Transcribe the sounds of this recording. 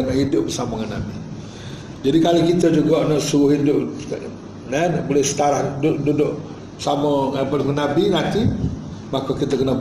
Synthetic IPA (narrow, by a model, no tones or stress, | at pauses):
naʔhidʊʔ̚bərsaməŋanːa̰bi | d͡ʒadikalakit̪əd͡ʒuɡɔʔnaʔsuwʊhindʊʔ | nanʔbolehsə̥t̪aɾahduʔdudʊʔ | bəsamə̃ŋapəlkənabinãnt̪i | makokit̪əkənə